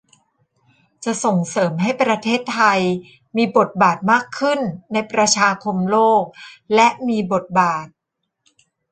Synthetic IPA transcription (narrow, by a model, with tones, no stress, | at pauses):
t͡ɕa˨˩ʔso˨˩ŋsɤː˩˦mɦa˥˩jpɾa˧t̪ʰeː˥˩t̪ʰːa˧j | miː˧bo˨˩t̪̚baː˨˩t̪̚maː˥˩kʰːɯ˥˩nːa˧jpɾa˧t͡ɕʰaː˧kʰo˧mloː˥˩k̚lɛ˦˥ʔmiː˧bo˨˩t̪̚baː˨˩t̪̚